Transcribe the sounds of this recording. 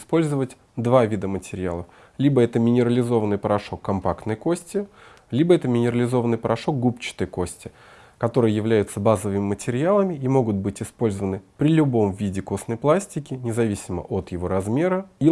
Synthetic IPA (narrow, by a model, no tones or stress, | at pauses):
spo̞lʲzəvətʲ | d̪vavʲid̪əmətʲɪɾʲɪja̰lˠəf | lʲibəɛt̪əmʲɪnʲɪɾəlʲɪzo̞vənːɨjpəɾɐʂo̞kːɐmpakt̪nəjko̞sʲtʲɪ | lʲibəɛt̪əmʲɪnʲɪɾəlʲɪzo̞vənːɨjpəɾʔɐʂo̞k̚ɡupt͡ɕɪ̥t̪əjko̞sʲtʲɪ | kɐt̪o̞ɾɨjəjɪvlʲæjʊt̪səbazəvɨmʲɪmətʲɪɾʲɪalˠəmʲɪimo̞ɡʊt̪̚bɨtʲɪspo̞lʲzəvənɨpɾʲɪlʲʊbo̞mvʲidʲɪko̞snəjplˠasʲtʲɪkʲɪnʲɪzɐvʲisʲɪmə̰ʔot̪jɪvo̞ɾɐzmʲe̞ɾəi